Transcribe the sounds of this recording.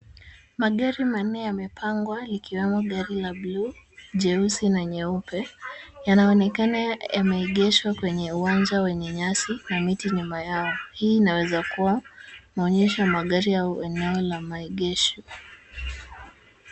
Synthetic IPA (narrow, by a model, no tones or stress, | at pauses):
maɠaɾiman̩ːɛjamɛpʰaŋɡwalikiwɛmɔɠaɾilabluʄɛusinaɲɛupɛjanaɔnɛkanajamɛiɠɛʃwakwɛɲɛuand͡ʒawɛɲɛɲasinamitiɲumajaɔhiːnawɛzakuwanaɔɲɛʃamaɠaɾiauɛnɛɔlamaiɠɛʃɔ